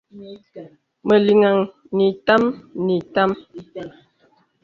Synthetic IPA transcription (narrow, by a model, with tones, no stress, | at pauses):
mə˨li˨ŋa˨ŋ | ni˨ta˦mni˨ta˦m